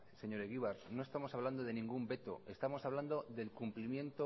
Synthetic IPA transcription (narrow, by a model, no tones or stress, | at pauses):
se̞ɲo̞ɾeɣiβaɾno̞e̞st̪amo̞saβland̪o̞ðe̞nĩŋɡumbe̞t̪o̞̰e̞st̪amo̞saβ̞land̪o̞ðe̞lkumplimjẽ̞nt̪o